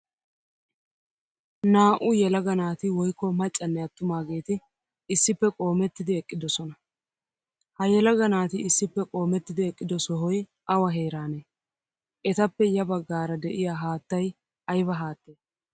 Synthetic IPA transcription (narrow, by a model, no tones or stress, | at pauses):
naːʔʊjɛlɐɡɐnaːt̪ɪwɔjkːɔmɐt͡ʃʼːɐnːɛɐt̪ːʊmaːɡe̞ːt̪ɪ | ɪsːɪpːɛkʼo̞ːmɛt̪ːɪd̪ɪɛkʼːɪd̪ɔsɔnɐ | hɐjɛlɐɡɐnaːt̪ɪɪsːɪpːɛkʼo̞ːmɛt̪ːɪd̪ɪɛkʼːɪd̪ɔsɔɦɔj | ʔɐwɐɦe̞ːɾaːneː | ʔɛt̪ɐpːɛjɐbɐɡːaːɾɐd̪ɛʔɪjaːɦaːt̪ːɐj | ʔɐjbɐɦaːt̪ːe̞ː